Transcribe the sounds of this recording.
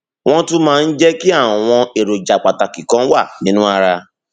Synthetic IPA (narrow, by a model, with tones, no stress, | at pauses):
w̃ɔ̃˦tũ˦mãː˨˦˧n̩˦d͡ʒɛ˦ki˦a˦˨w̃ɔ̃˧e˨ɾo˨d͡ʒa˨k͡pa˨ta˨ki˨kɔ̃˨˦wa˦˨nĩ˦nũ˦a˧ɾa˧